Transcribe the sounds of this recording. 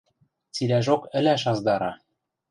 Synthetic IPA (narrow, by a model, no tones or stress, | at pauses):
t͡silæʒokɘ̆læʃɑzd̪ɑɾɑ